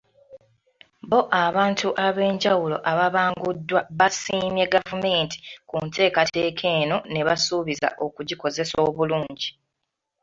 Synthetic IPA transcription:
bo̞ʔaβaːntʰuʔaβe̞ːɲɟawulo̞̰ʔaβaβaːŋɡudːwaβasiːmje̞ɡavume̞ːnti̥kuntʰe̞ːkatʰe̞ːkʰe̞ːno̞ne̞βasuβiza̰ʔo̞kuɟiko̞ze̞so̞ːβuluːɲɟi

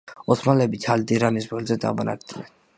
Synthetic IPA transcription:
ɔt̪ʰmalɛbit̪ʰald̪iɾanisbɛlzɛd̪a̰banʔa̰k̚ʰd̪inɛn

